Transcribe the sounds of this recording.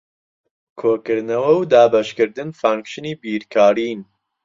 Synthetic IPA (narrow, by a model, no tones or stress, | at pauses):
kʰoːkɨɾnɐwɐwd̪aːbɐʃkɨɾd̪ɨnfaːŋkʃɨniːbiːɾkʰaːɾiːn